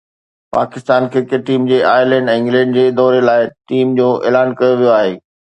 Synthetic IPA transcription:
pa̰ːkɪst̪aːnkʰeːkeʈːiːmd͡ʑeːʔaːɪlɛ̃ːɳɖ̃ɪ̃ŋɡlɛ̃ːɳɖd͡ʑeːd̪ɔːɾelaːɪʈiːmd͡ʑoːʔḛːlaːnkɐjoʋijoaːɦeː

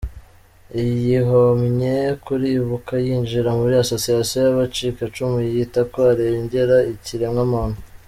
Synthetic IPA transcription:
ijiɦomɲekuɾiβukajiːnd͡ʒiɾamuβɾiaso̞siasiojaβat͡ʃikat͡ʃumujjitakoaɾeɲɟe̞ɾaiciɾemŋamanu

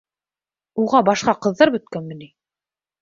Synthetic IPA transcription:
uʁɑbɑʃqɑqɤ̆ðːɤɾbɵ̆t̪̚kænmɘ̆ni

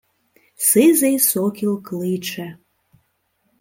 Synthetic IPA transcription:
sɨzejsokilklit͡ʃe

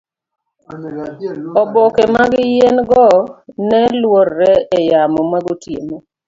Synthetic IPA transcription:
ɔbokemaɡɪjenɡɔnɛlworːɛejamɔmaɡotjemo

